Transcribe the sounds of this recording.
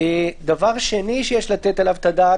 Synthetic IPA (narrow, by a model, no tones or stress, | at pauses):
ed̪avaʁʃe̞niʃejeʃlat̪et̪alavt̪ad̪aː